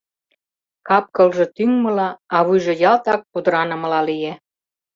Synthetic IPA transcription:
kɑp̚kɤlʒɤ̆t̪yŋmɤ̆lɑɑβujʒɤ̆jɑlt̪ɑk̚pud̪əɾɑnə̆mɤ̆lɑlije

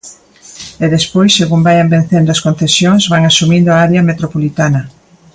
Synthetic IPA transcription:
ɛðespojsseɣumbajɐmben̟θend̪ʊɐskon̟θesjoŋzβaŋasumĩnd̪ʊaaɾeɐmet̪ɾopolit̪anɐ

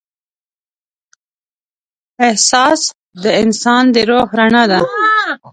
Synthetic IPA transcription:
ɪhsɑːs | d̪əɪnsɑːnd̪əɾohɾanad̪a

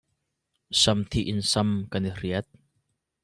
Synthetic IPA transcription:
sɐmt̪ʰiʔɪnsɐmkaniriət̪̚

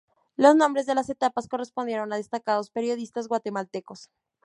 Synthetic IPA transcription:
lo̞znõmbɾe̞zðelase̞t̪apaskore̞spond̪je̞ɾo̞naðe̞st̪akaðo̞spe̞ɾjo̞ðist̪azɣwat̪e̞malt̪e̞ko̞s

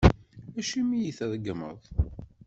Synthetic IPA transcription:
æʃimijiθəðəɡəmə̰ðˤ

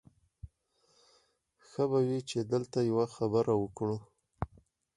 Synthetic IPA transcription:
xəbawit͡ʃed̪əlt̪ajawaxabəɾʔawəkɽu

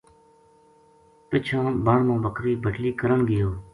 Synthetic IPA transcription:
pɪt͡ʃʰãːbəɳmõːbəkɾiːbʱəʈliːkəɾəɳɡɪjoː

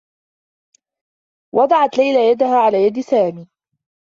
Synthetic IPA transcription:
wʔɑd̪ˤɑʕɑt̪lajlajad̪ahaːʕalaːjad̪saːmiː

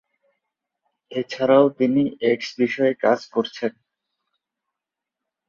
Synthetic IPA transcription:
et͡ɕʰaɾaot̪iniʔekʃbiʃɔeka̰d͡ʑkoɾt͡ɕʰen

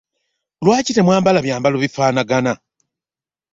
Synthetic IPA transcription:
lwaːcite̞mwaːmbalaβjaːmbaloβifaːnaɡana

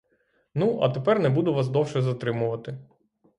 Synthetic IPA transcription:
nuʔɐ̰t̪epɛrnɛbud̪ʊʋasd̪ɔwʃɛzɐt̪ɾɪmʊʋɐt̪ɪ

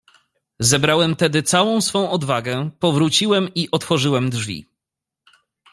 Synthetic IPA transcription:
zɛbɾawɛmt̪ɛd̪ɘt̪sawɔ̃w̃sfɔ̃w̃ɔd̪vaɡɛpɔvɾut͡ɕiwɛmiʔɔt̪fɔʐɘwɛmd̪ʐvʲḭ

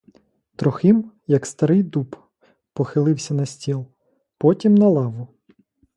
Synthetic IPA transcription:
t̪ɾɔxɪm | jɐkst̪ɐɾɪjd̪up | pɔxɪlˠɪwsʲɐnɐsʲtʲilˠ | pɔtʲimnɐlˠɑʋʊ

